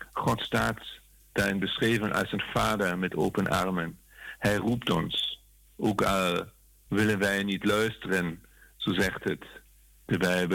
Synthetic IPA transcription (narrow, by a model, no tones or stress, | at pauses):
χɔtstaːt | d̥aːɹɪnbəsreːvənʔɑ̰lˠsənfaːdəɹmɛto̰wpənʔɑ̰ɹmən | hɛjruptɔ̰ns | ʔoːkɑl | ʋɪlənʋɛjnitlœɥstərən | z̥oːzɛχtət | d̥əbɛjbə